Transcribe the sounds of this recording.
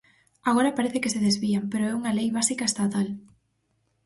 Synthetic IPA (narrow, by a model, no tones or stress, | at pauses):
aɣ̞oɾɐpaɾeθekeseðezβiampeɾoɛuŋɐlejβasikaest̪at̪al